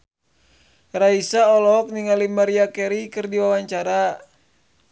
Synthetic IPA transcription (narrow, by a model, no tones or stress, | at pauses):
raisaɔlɔk̚niŋalimaɾiakɛɾikɨrdiwawaɲt͡ʃaɾa